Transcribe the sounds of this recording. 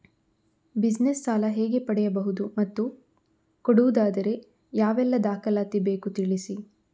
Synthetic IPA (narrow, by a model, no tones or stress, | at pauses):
bid͡ʒnesːaːlɐɦɛːɡe̞pɐɽɛjɐbɐɦud̪umɐt̪ːu | koɽuʋud̪aːd̪ɐɾe̞ | jaːʋɛlːɐd̪aːkɐlaːt̪ibeːkut̪iɭisi